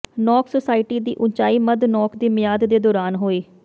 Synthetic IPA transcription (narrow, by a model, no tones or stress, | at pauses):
nɔːksosaːɪʈiːd̪ḭːʔʊnt͡ʃaːiːməd̪nɔːkʰd̪iːmɪjaːd̪d̪eːd̪ɔːɾaːnɦoːeː